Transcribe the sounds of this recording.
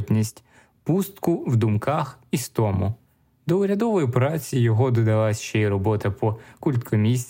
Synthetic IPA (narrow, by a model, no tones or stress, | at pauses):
tʲnʲisʲtʲ | pust̪kʊwd̪ʊmkɑxist̪ɔmʊ̰ | d̪ɔʊɾʲɐd̪ɔʋɔjipɾɑt͡sʲijɔɦɔd̪ɔd̪ɐlˠasʲʃt͡ʃɛiɾɔbɔt̪ɐpɔkulʲt̪kʰɔmʲisʲ